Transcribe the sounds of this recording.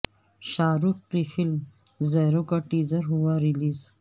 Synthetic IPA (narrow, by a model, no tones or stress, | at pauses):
ʃaːɾukːɾifilm | zeːɾokaʈiːzəɾɦuwaɾiliːz